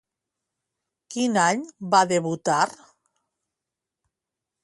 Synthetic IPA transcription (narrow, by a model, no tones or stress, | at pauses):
kinaɲbaðeβut̪aɾ